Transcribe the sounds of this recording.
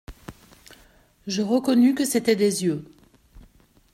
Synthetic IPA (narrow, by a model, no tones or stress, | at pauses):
ʒəʁəkɔnykəset̪ɛd̪ezjø